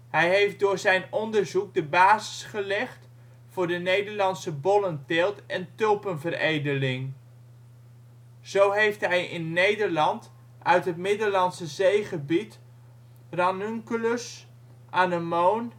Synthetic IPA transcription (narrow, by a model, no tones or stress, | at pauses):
ɦɛjɦejft̚dʊːɹzɛjnɔndəɹzuk̚dəbaːzɪ̥sχəlɛχt | fʊːɹdənejdəɹlɑnsəbɔləntɛlˠtɛntølˠpənvərejdəlɪŋ | z̥owɦejftɦɛjɪnːejdəɹlɑnt | ʔœɥtɦətmɪdəlɑnsəzejχəbit | rɑnyŋkləs | ʔanəmown